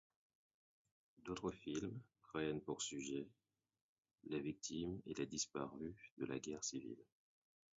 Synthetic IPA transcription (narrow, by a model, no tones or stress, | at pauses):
d̪ot̪χəfilmfʁɛnpuʁsyʒɛ | lavik̚t̪ʰimelad̪ispaʁyd̪əla̰ɡʲɛʁsivḭl